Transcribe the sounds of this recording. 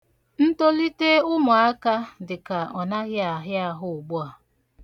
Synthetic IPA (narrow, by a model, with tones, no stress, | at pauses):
n̩˦to˦li˦te˦ʊ˦mʊ˨a˦ka˦dɪ˨ka˨ʔɔ˨na˦ɣɪ˦a˨ɦɪ˦a˦ɦʊ˦ʊ˨ɡ͡bʊ˦a˨